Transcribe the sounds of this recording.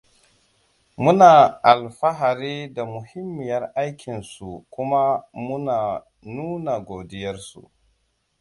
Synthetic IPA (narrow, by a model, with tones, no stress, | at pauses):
mu˦naː˨ʔa˨lɸa˦ɦa˨ɾi˦da˨mʊ˨hɪ˦mːɪ˨jɐ˦rʔa˦jkʲʰɪ˨nsu˨kʊ˦ma˦mu˦naː˨ | nuː˦na˨ɡoː˨dɪ˦jɐ˦ɾsṵ˨